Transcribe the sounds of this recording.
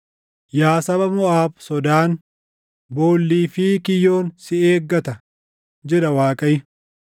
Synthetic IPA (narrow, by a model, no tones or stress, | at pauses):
jaːsɐbɐmʊʔaːbsɔd̪aːn | bo̞ːlːiːfiːkɪjːo̞ːnsɪeːɡːɐt̪ɐ | d͡ʒɛᶑɐwaːkʼɐjɪ